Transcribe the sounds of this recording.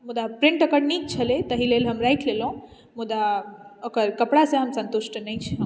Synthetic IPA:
mud̪apɾiɳʈəkəɽniːk̚t͡ʃʰəlet̪əɦilelɦəmɾajkʰlelõ | mud̪aəkəɾkəpɽasẽɦəmsənt̪uʃʈənəjt͡ʃʰ

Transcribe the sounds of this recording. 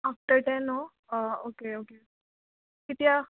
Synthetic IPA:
ap̚ʈəɾʈɛ̃no | okeoke | kit̪ia

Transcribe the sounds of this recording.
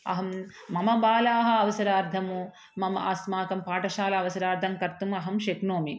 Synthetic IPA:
ɐ̰ɦɐmː | ɐmɐbaːlaːɦɐɐʋɐsɐɾaːɾd̪ʱɐmu | mɐmɐʔɐsmaːk̪ɐmpaːʈɐʃaːlɐɐʋɐsɐɾaːɾd̪ʱɐmkɐɾt̪umɐɦɐmʃeknoːmi

